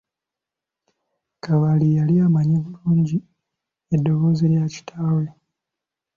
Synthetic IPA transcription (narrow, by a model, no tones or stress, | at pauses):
kaβalijaliamaɲeβuluːɲɟi | edːo̞ɣo̞ːzeɾjaci̥tʰaːwe̞